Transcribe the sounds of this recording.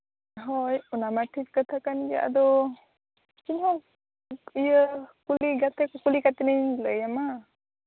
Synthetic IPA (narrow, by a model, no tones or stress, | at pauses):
ɦɔjunamatʰitkat̪ʰakanjə̰ʔa̰d̪ɔ | kinhɔ | ijəkuliɡat̪ʰɛkɔkulikat̪ɛnajləjama